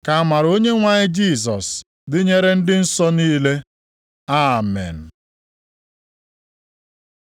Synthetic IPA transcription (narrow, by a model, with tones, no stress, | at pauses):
ka˨ma˨ɾo˦ɲe˦ŋʷa˨ɲɪ˦d͡ʒi˦˨s̬ɔ˨s | dɪ˦ɲe˦ɾe˦n̩˦dɪ˦n̩˦sɔ˦niː˦le˦ | a˦˨mḛ˨n̩˨